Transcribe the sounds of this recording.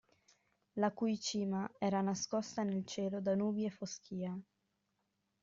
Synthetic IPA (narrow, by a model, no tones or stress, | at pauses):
lakujt͡ʃiːmaɛːɾanaskɔst̪anelt͡ʃeːlod̪anuːbjefoskiːa